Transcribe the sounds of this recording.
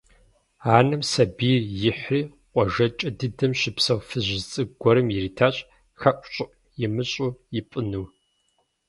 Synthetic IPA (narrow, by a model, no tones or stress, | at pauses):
aːnɨmsɐbiːjɪħriː | qʷʼɔʒɐt͡ʃʼɐdɨdɨmɕɪpsɐwfɨʑɪt͡sʼɨɡʷɔɾɨmjɪriːtʰaːɕʼ | xɐʔʷɕʼɨʔ | jɪmɨɕʼujɪpʼɨnuw